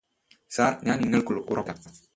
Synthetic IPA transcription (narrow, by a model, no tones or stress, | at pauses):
saːɾɲaniŋəlkuloquɾɔta